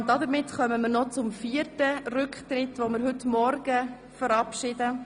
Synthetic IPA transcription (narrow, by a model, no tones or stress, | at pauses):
ndɑd̪əɾmɪtχœməməɾnɔt͡sʊmfiːəɾtərʏktrɪtʋomɪɾɦʏtmɔɾɡ̥ə | fəɾɑpʃɪdə